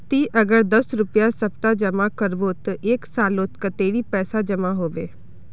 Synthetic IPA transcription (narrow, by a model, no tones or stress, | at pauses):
t̪iːʔəɡəɾd̪əsɾʊpjasəp̚t̪ad͡ʒəmakəɾbot̪əʔeːksaːloːt̪kət̪eːɾiːpɛːsad͡ʒəmaɦoːʋeː